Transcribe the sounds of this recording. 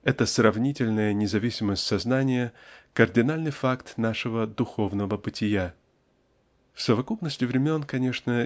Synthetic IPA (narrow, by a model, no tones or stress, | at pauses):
ɛt̪əsrɐvnʲitʲɪlʲnəjənʲɪzɐvʲisʲɪməsʲtʲsɐznanʲɪjəkərdʲɪnalʲnɨjfakt̪naʂɨvəd̪ʊxo̞vnəvəbɨtʲɪja | fsəvɐkupnəsʲtʲɪvɾʲɪmʲo̞nkɐnʲe̞ʂnə